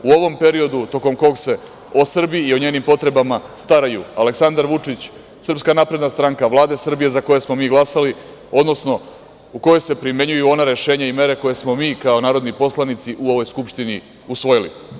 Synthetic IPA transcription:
uo̞ʋo̞mpe̞ɾio̞d̪ut̪o̞ko̞mko̞ɡse̞ | o̞sr̩biiːo̞ɲeːnimpo̞t̪ɾe̞bamast̪aɾajuale̞ksand̪aɾʋut͡ʂit͡ɕ | sr̩pskanaːpɾe̞d̪nast̪ɾaŋkaʋlˠaːd̪e̞sr̩bije̞zako̞je̞smo̞miːɡlˠasali | o̞d̪no̞sno̞ | uko̞je̞se̞pɾime̞ɲujuo̞naɾe̞ʃe̞ːɲaime̞ɾe̞ko̞je̞smo̞miːkao̞naːɾo̞d̪nipo̞slˠanit̪siʔuo̞ʋo̞jskupʃt̪ini | usʋo̞jilḭ

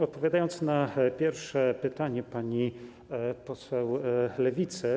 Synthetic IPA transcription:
ɔt̪̚pɔvʲjad̪ajɔnt̪snapʲjɛɾfʂɛpɘt̪aɲɛpaɲi | pɔswɛwlɛvʲit̪sɛ

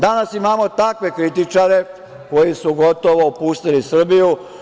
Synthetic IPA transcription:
d̪anasimaːmo̞t̪akʋe̞kɾit̪it͡ʂaɾe̞ | ko̞jisuɡot̪oʋoːpuːst̪ilisr̩biju

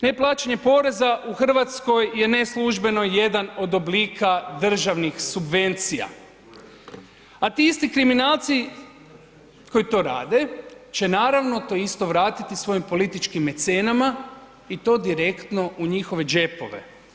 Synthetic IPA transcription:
ne̞plˠaːt͡ʃeɲe̞po̞ɾe̞zaʔuxr̩ʋat̪sko̞jje̞ne̞slˠuʒbe̞no̞je̞d̪ano̞d̪o̞bliːkad̪r̩ʒaʋnixsubʋe̞nt̪sija̰ | at̪iist̪ikɾiminaːlˠt̪si | ko̞jit̪o̞ɾa̰ːd̪e̞t͡ʃe̞naːɾaʋno̞t̪o̞ist̪o̞ʋɾaːt̪it̪isʋo̞impo̞lit̪it͡ʃkimet̪senama | it̪o̞ːd̪iɾe̞kt̪no̞ʔuɲixo̞ʋe̞d͡ʒe̞po̞̰ʋe̞̰

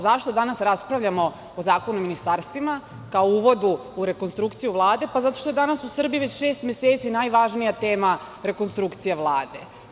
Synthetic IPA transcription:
zaʃt̪o̞d̪anasɾaspɾaʋʎamo̞ | ozaːko̞nuiminist̪aɾst̪ʋima | kaouʋo̞d̪uːɾe̞ko̞nst̪ɾukt̪sijuʋlˠaːd̪e̞pazat̪o̞ʃt̪oed̪anasusr̩bijiuʋet͡ɕʃeːst̪mje̞seːt̪sinajʋaʒnijat̪eːma | ɾe̞konst̪ɾukt̪sijaʋlˠaːd̪e̞̰

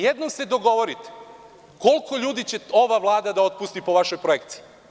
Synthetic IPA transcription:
jed̪nomsed̪o̞ɡo̞ʋo̞ɾit̪e̥ | ko̞lˠkʰo̞ʎuːd̪it͡ɕe̞o̞ʋaʋlˠaːd̪ad̪ao̞t̪̚pust̪ipo̞ʋaʃojpɾoe̞kt̪si̥i

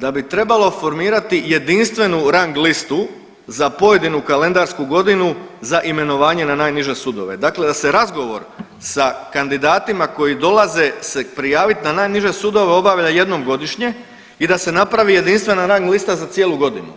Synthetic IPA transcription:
d̪abit̪ɾe̞balˠo̞fo̞ɾmiːɾat̪ije̞d̪inst̪ʋe̞nuɾaŋɡlist̪u | zapo̞je̞d̪inukale̞nd̪aɾskuɡo̞d̪inuzaʔime̞no̞ʋaːɲe̞nanaːjniʒe̞sud̪o̞̰ʋe̞d̪akle̞d̪ase̞ɾazɡo̞ʋo̞̰ɾ | sakand̪id̪aːt̪imako̞jid̪o̞lˠaze̞se̞pɾijaːʋit̪nanaːjniʒe̞sud̪o̞ʋe̞o̞baʋʎaje̞d̪no̞mɡo̞d̪iʃɲe̞ | id̪ase̞napɾaʋije̞d̪inst̪ʋe̞naɾaŋɡlist̪azat̪je̞ːlˠuɡo̞d̪inṵ

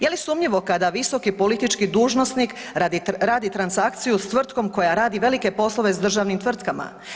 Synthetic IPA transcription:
jelisuːmʎiʋo̞kad̪aʋiso̞kipo̞lit̪it͡ʃkid̪uːʒno̞snik | ad̪ɾaːd̪it̪ɾansakt̪sijust̪ʋr̩t̪ko̞mko̞jaɾaːd̪iʋe̞like̞po̞sloʋe̞zd̪r̩ʒaːʋnimt̪ʋr̩t̪kama̰

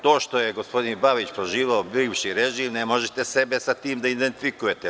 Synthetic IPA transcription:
t̪o̞ːʃt̪o̞jeɡo̞spo̞d̪inbaʋit͡ɕpɾo̞ʒiːʋeobiʋʃiɾeʒiːmnemo̞ʒet̪esebesat̪iːmd̪aid̪ent̪ifikujet̪e

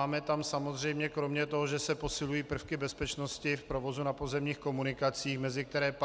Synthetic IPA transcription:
aːmɛt̪amsamo̞zr̝ɛjmɲɛkɾo̞mɲɛt̪o̞ɦoʒɛsɛpo̞sɪlujiːpr̩fkɪbɛspɛt͡ʃnoscɪfpɾovo̞zunapozɛmɲiːxko̞munɪkat͡siːxmɛzɪk̚t̪ɛɾɛːp

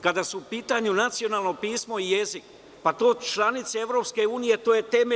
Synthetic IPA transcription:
kad̪asuupiːt̪aɲunat̪sijo̞naːlˠno̞piːsmo̞ije̞zik | pat̪o̞ːt͡ʃlˠanit̪seevɾo̞pske̞uːnije̞t̪o̞ːje̞t̪eme

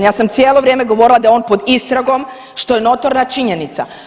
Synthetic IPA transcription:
jaːsamt̪sjeːlˠo̞ʋɾjeːmeɡo̞ʋo̞ɾilˠad̪ajeo̞ːnpo̞d̪ist̪ɾaɡo̞m | ʃt̪o̞jeno̞t̪o̞ɾnat͡ʃiɲe̞nit̪sa̰

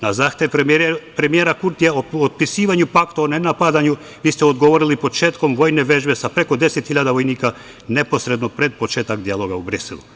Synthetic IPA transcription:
nazaːxt̪eʋpɾemijeɾakuɾt̪ijaood̪̚pisiːʋaɲupakt̪oonenapad̪aɲu | ʋiːst̪ɛod̪ɡoʋo̞ɾilipo̞t͡ʃe̞ːt̪ko̞mʋo̞jneʋe̞ʒbe̞sapɾe̞kod̪e̞set̪hiʎad̪aʋo̞jniːka | ne̞po̞sɾe̞d̪nopɾe̞d̪̚po̞t͡ʃeːt̪akd̪ialˠoɡaubɾisḭlṵ

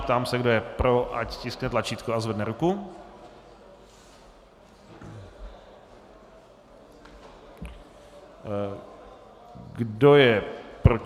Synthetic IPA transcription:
pt̪aːmsɛɡdo̞jɛpɾoʔa̰ccɪsknɛt̪lat͡ʃiːt̪kuazvɛdnɛɾuku | ɡdo̞jɛpɾo

